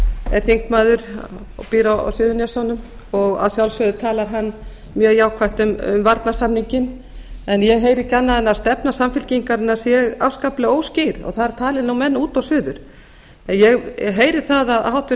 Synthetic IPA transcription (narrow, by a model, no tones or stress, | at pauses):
ɛɾ̥θiŋkmaːðʏɾ | piːɾawa̰wsʏðʏnjɛsawnʏm | ɔɣa̰ðsjawlsœðʏt̪ʰaːlaɾɦanː | mjœːɣjaːwkʰvajht̪ʏmʏ̰mvaɾt̪nasamniɲcɪn | ɛnjɛɣɦeːjɾɪcanːaðɛnːast̪ɛpnasamfɪlciŋkaɾɪnːasjɛɣawskaplɪoːwscɪɾɔ̰ɣθaðɪɾ̥t̪ʰaːlɪnawmɛnːuːt̪awsʏːðʏɾ̥ | ɛnjɛɣɦeːjɾɪ̥θaðaðhawht̪ɪ